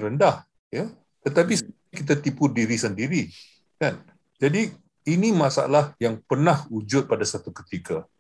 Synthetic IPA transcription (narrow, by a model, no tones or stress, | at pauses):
ɾəndah | ja | t̪ət̪ap̬is | kit̪at̪ipudiɾisəndiɾi | kan | d͡ʒadi | inimasa̰lahjaŋpərnahud͡ʒʊt̪̚padasat̪ukə̥t̪ika